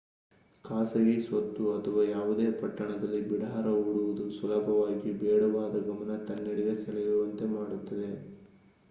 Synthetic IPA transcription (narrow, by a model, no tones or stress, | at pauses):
kaːsɐɡisʋɐt̪ːuɐt̪ʰɐʋaːjaːʋud̪e̞ːpɐʈːɐɳɐd̪ɐlːibiɽɐɦaɾɐuːɽuʋud̪usɐlɐbʱɐʋaːɡibɛːɽɐʋaːd̪ɐɡɐmɐnɐt̪ɐnːiɽiɡɐsɛɭɐjuʋɐnt̪e̞maːɽut̪ːɐd̪e̞